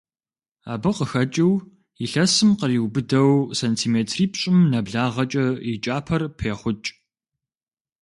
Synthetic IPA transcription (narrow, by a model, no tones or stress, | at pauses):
aːbɨqəxɐt͡ʃʼiw | iɬɐsɨmqəriːwbɨdɐwsɐntʰiːmeːtʰriːpɕʼɪmnɐbɮaːʁɐt͡ʃʼɐit͡ʃʼaːpʰɐrpʰeːχʷʊt͡ʃʼ